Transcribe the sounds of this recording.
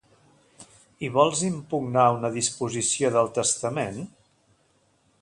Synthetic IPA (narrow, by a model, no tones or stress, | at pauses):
iβ̞ɔlˠzimpuɡnaunəðispuzisioðəlˠt̪əst̪əmen